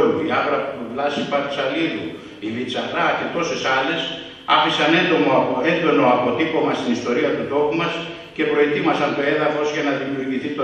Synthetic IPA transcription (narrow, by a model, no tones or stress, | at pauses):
luiɐvɾɐpt̪uvlɐsipɐɾi̥sɐlilu | ivit͡sɐɾɐce̞t̪o̞sesɐle̞s | ɐfisɐne̞nd̪o̞moe̞nd̪o̞noɐpo̞t̪ipo̞mɐst̪inist̪o̞ɾiɐt̪ut̪o̞pumɐs | ce̞pɾo̞et̪imɐsɐnt̪o̞e̞ðɐfo̞sʝɐnɐðimiuʝiθit̪o